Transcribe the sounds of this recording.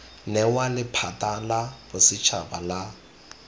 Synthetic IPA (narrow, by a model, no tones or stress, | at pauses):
nɛwalɪpʰatʼalab̥ʊsɪt͡ʃʰa̰bala